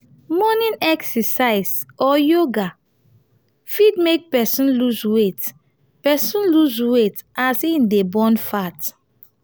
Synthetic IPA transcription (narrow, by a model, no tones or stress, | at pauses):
mɔnĩnɛksɛsaɪsɔjoɡa | fidmek̚pɛsĩnluswet | pɛsũnluswetasindebɔ̃nfat